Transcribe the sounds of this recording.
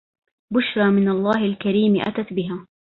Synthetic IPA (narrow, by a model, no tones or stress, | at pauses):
bʊʃɾˤɑːmɪnalˤːɑːhɪlkaɾiːmʔa̰t̪at̪bɪɦaː